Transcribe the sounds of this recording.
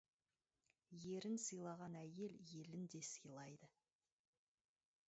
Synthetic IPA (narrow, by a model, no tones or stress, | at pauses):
je̞ɾɪnsəjlˠɑʁɑnæje̞lje̞lɪnd̪e̞səjlˠɑjd̪ə